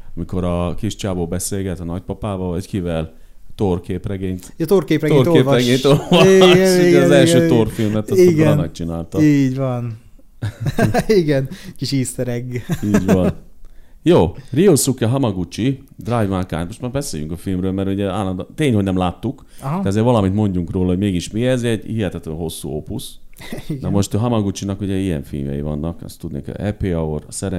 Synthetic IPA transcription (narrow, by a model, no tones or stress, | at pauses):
ɒmiko̞ɾɒkiʃt͡ʃaːboːbɛseːlɡɛt̪nɒc̚pɒpaːvɒvɒckivɛl | t̪orkeːprɛɡeːɲt̪t̪orkeːprɛɡ̪eorkeːɾɛɡeːɲt̪ovɔɛuɛɒzɛlʃøːt̪orfilmɛt̪ɒsiɡɾɔnnɛk̚t͡ʃina̰ːlt̪ɒiːɟʋɒn | iɡɛnkiʃiːsɛɾɛɡiːɟʋɒnjoːriosukːɛɦɒmɒɡut͡ʃi | d̪rajvmakaːnt̪mo̞ʃt̪maːɾbɛseːjyŋkɒfilmrøːlmɛɾuɟɛaːlːɔnd̪t̪eːɲho̞ɟnɛmlaːt̪ːuk | ɦ̪ɛɒzeːɾvɒlɒmit̪mo̞ɲɟuŋkroːlɒɦomeːɡiʃmiɛzɛɟhiɦɛt̪ɛt̪lɛɦo̞sːṵopusiɡnɛmo̞ʃt̪ɦɒmɒɡut͡ʃinɒkuɟɛijɛ̰ɱfḭlmjɛ̰jivɒ̰nːɒkɛ̰st̪ːud̪nḛkɛ̰ɛpeːɒoɾɒ̰sɛɾɛ